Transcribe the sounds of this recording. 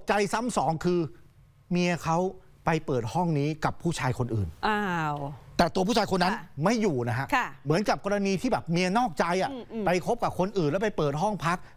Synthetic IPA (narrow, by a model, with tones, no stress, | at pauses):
t͡ɕa˧jsa˦˥msɔː˩˦ŋkʰɯː˧ | mi˧əkʰa˦˥w | pa˧jpɤː˨˩t̪̚hɔ˥˩ŋniː˦˥ka˨˩pʰːuː˥˩t͡ɕʰaː˧jkʰo˧nʔɯː˨˩na | t̪ɛː˨˩t̪u˧pʰuː˥˩aː˧kʰo˧nːa˦˥nma˥˩jːuː˨˩na˦˥kʰa˦˥ʔkʰmɯ˩˦ənka˨˩p̚kɔː˧ɾa˧niː˧t̪ʰiː˥˩bɛː˨˩p̚mi˧ɐnɔː˥˩k̚t͡ɕa˧jʔa˨˩pa˧jkʰo˦˥p̚ka˨˩p̚kʰo˧nʔɯː˨˩nlɛ˦˥pa˧jpɤː˨˩t̪̚ɦɔ˥˩ŋpʰa˦˥k̚